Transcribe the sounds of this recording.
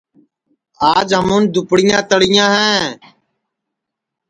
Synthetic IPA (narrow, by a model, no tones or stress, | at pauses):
aːd͡ʒɦəmũːnd̪ʊpɽɪjãːt̪əɽɪjãːɦɛ̃ː